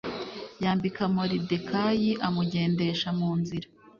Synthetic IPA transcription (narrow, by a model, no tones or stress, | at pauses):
jaːmbikamoɾide̞kajiʔamuɟe̞ːnde̞ʃamuːnziɾa